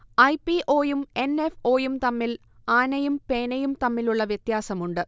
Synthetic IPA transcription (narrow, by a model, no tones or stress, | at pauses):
ɐjpiʔoːjume̞ne̞fo̞ːjumt̪ɐmːil | aːnɐjumpe̞ːnɐjumt̪ɐmːiluɭːɐʋjet̪jaːsɐmuɳɖɨ